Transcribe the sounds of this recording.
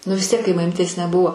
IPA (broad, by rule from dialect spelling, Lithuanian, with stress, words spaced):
nʊ ʋʲɪs ˈtʲiɛk kɐɪ mɐˈmʲiːtʲeːs nʲɛˈbʊʋoː